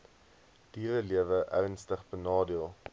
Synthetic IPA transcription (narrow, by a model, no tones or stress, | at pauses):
d̥iːɾəliəvəʔœɥənstəχbənɑːdiəlˠ